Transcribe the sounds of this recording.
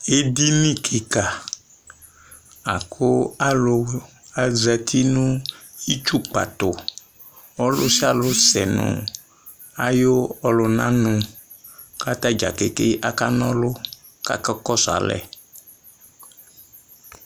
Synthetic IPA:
e˦d̪i˦nĩ˦kʰe˨ka˨ | a˨kʰo˦a˦lʊ˨ | a˨zɛ˨t̪ʰi˦nũ˦i˦t͡ʃu˦k͡pa̰˨t̪ʊ˨ | ɔ˦lʊ˦si˦a˨lʊ˦sɛ˨nɔ̰̃˨ | a˨jo˦ɔ˦lʊ˨nã˦nũ˨ | ka˦t̪a˦d͡ʒa̰˨ke˨ke˦ʔa˦ka˦nɔ̃˦lʊ˦ | ka̰˦kɛ˦kɔ˦sa̰˨lɛ̰˨

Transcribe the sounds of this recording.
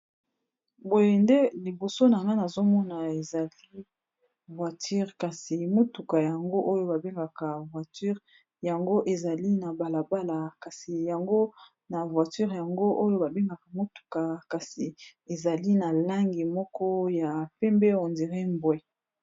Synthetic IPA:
bo˦je˨nde˦li˨bo˨so˦na˨ŋɡa˦na˨zo˦mɔ˦na˨e˨za˨li˦ | vwa˨tʰy˦ʁka˨si˨mo˦tu˨ka˨ja˨ŋɡo˦ʔo˦jo˦ba˨be˦ŋɡa˨ka˨vwa˨ty˦ʁ | ja˨ŋɡo˦ʔe˨za˨li˦na˨ba˨la˨ba˦la˨ka˨si˨ja˨ŋɡo˦ | na˨vwa˨ty˦ʁja˨ŋɡo˦ʔo˦jo˦ba˨be˦ŋɡa˨ka˨mo˦tu̥˨ka˨ka˨si˨e˨za˨li˦na˨la˦ŋɡi˨mɔ˦kɔ˦ja˨pɛ˦mbɛ˦o˨ndi˨ʁe˦mbwɛ˦

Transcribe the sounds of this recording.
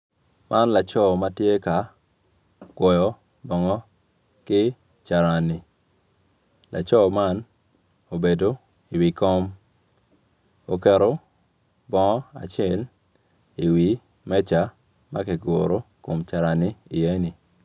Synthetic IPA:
mʔa˦nla˨t͡ʃɔ˦ma˦tje˦ka˨ | ɡ̥wɔ˨jɔ˦ | bɔ˨ŋɔ˦ | kɪ˦ | t͡ʃa˨ɾa˨ni˨ | lʔa̰˨t͡ʃɔ˦ma˦n | o˨be˨do˦ | i˨wi˨kɔ˦m | o˨kɛ˨ɾo˦ | bɔ˦ŋɔ˦a̰˨t͡ʃjɛ˦˨l | i˨wi˨ | mɛ˦t͡ʃa˨˦ | ma˦kɛ˨ɡo˨ɾo˨˦ko˨mt͡ʃa˨ɾa˨ni˦i˨e˦ni˨

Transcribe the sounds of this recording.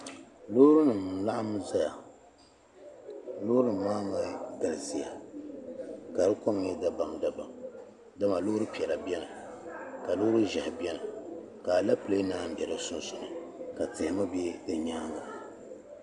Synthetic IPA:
lo˦ʊ˦ɾɨ˦nɨ˨m˨la˦ʔa˦m˦za˦ja˨ | lo˦ɾɨ˨maː˦ma˨ɡa˨lɨ˨si˨ja̰˨ | ka˨ɾɨ˦ko˦m˦ɲɛ˦da˦ba˨mda˦ba̰˨m | da˦ma˨lo˦ɾɨ˦pi˨ɛ˨la˨bi˦ɛ˦nɨ˨ | ka˨lʊː˦ɾɨ˦ʒɛ˨hɪ˨bɛ˦nɨ˨ | ka˨la˦pɨ˨le˦naː˦˨m̩˨bɛ˨ɾɨ˦sʊ˦n˦sʊ˨nɨ˨ka˨tɪ˨ɪ˨ma˦bɛ˦dɨ˨ɲaː˦ŋa˨

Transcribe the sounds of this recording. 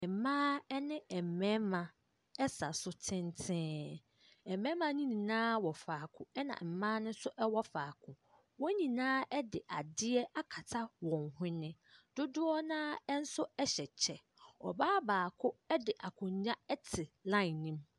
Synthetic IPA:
ɛ˨mãː˦ɛ˦nɪ̃˦ɛ˨m̩˨mɛ̃˦mã˨ | ɛ˦sa˨sʊ˦tʰɪ̃˦ntʰɪ̃ː˦ | ɛ˨m˨mɛ̃˦mã˦nĩ˦nĩ˨nãː˦wɔ˨faː˨kʰʊ̃˨ɛ˦nã̰˨m̩˨mãː˦nʊ̃˦sʊ˦ʔɛ˦wɔ˦faː˨kʰʊ̃˨ | wɔ˦ɲĩ˨nãː˦ɛ˦dɪ˨ʔa˨dɪ˦ɛ˦ʔa˦kʰa˨tʰa˦wɔ̃˨nhɪ̃˦nɪ̃˦ | d̥ʊ˦dʊ˦ɔ˦nãː˦ɛ˦n̩˦sʊ˦ɛ˦ɕɛ˨t͡ɕʰɛ˨ | ɔ˨baː˦baː˨kʰʊ˦ɛ˦dɪ˨ʔa˨kʰʊ̃˨ɲ˨ɲã˦ɛ˦tʰɪ˨lã˦ɪ˨nĩ˦m

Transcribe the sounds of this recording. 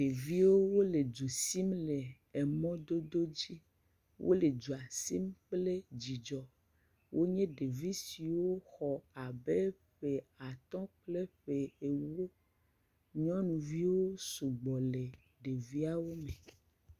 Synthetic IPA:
ɖe˨vi˦wo˦wo˦le˨d͡ʒu˨si˦mle˨ | ɛ˨mɔ̃˦d̪o˦d̪o˦d͡ʑi˦ | wʔo̰˦le˨d͡ʒu˨a˨si˦mk͡ple˦d͡ʑi˨d͡ʒɔ˨ | wʔo˦ɲẽ˦ɖe˨vi˦si˨wo˦xɔ˨a˨be˦ | ɸe˨a˨t̪ɔ̃˦k͡ple˦ɸe˨e˨wo˦ | ɲɔ̃˦nũ˨vi˦wo˦su˨ɡ͡bɔ˨le˨ | ɖe˨vi˦a˦wo˦mẽ˨

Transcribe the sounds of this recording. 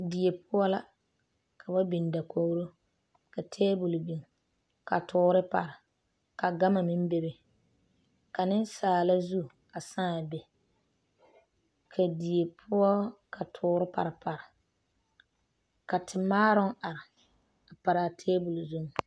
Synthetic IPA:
di˨e˨pʊ˦ɔ˦la˦ | kʰa˨ba˦bi˨n˨da˨ko˦ɾo˦ | ka˨tʰeː˦bu˨lbi˨ŋ˨ | ka˨tʰʊː˦ɾɪ˦pa̰˨ɾɪ˨ | ka˨ɡa˦ma˨mɪ˦m˦be˦bɪ˦˨ | ka˨nɪ˦nsaː˨la˦zu˦˨ | a˨sãː˦˨be˨ | kʰa˨di˨e˨pʰʊ˦ɔ˦ka˨tʰʊː˨˦ɾɪ˦pa̰˨ɾɪ˨pa˨ɾɪ˨ | ka˨tʰɪ˨maː˦ɾʊ˦ŋa˨ɾɪ˨ | a˨pa˨ɾa˨tʰeː˦bu˨lzu˦ŋ˨

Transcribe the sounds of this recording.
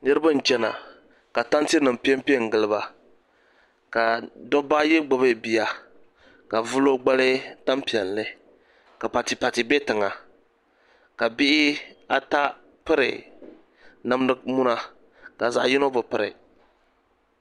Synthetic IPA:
nɨ˦ɾɨ˦ba˦n̩˨t͡ʃɛ˦na̰˨ | ka˨ta˦nti˦nɨ˨m˨pi˦ɛ˦mpi˦˨ŋ̩˨ɡɨ˨lɨ˦ba˨ | ka˨dɔ˦ba˦jɪ˦ɡ͡bʊ˨bɨ˦˨bi˨ja˨ | ka˨vu˦lo˦ɡ͡ba˦lɨ˦ta˦mpi˨ɛ˨n˨lɨ˦ | ka˨pa˨tɪ˨pa˨tɪ˨be˦tɨ˨ŋa˨ | ka˨bɪ˦ʔɪ˦a˦ta˦ | pɨ˦ɾɪ̰˨ | na˦m˦nɨ˦mu˦na˦ | ka˨za˨ʔjɪ˦no˦bɨ˨pɨ˦ɾɪ̰˨

